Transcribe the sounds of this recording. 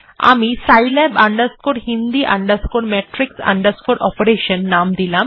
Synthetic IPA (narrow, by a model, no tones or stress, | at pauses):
a̰misajlɛbaɳɖəɾskoɽɦind̪iʔa̰ɳɖəɾskoɽmɛʈɾiksa̰ɳɖəɾskoɽɔpəɾeɕənːamd̪ilã